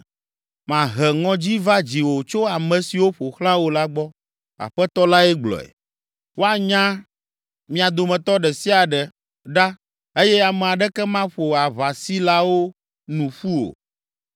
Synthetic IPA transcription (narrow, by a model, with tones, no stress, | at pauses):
mã˨ɦɛ˨ŋɔ̃˦d͡ʑi˦va˦d͡ʑi˨wo˨t͡ʃo˦a˨mɛ̃˨si˨wo˦ɸo˨xlã˦wo˨la˦ɡ͡bɔ˦ | a̰˨ɸɛ˦t̪ɔ˦la˦ɛ˦ɡ͡blɔ̰˨ɛ̰˨ | wo˦a˨ɲã˦ | mĩ˦a˨d̪o˨mɛ̃˨t̪ɔ˦ɖɛ˨si˦a˨ɖɛ˨ | ɖa˦ | e˦jɛ˦a˨mɛ˨a˨ɖɛ˦kɛ˦mã˦ɸo˨a˨βa˨si˦la˦wo˦ | nũ˨ɸu˦o̰˨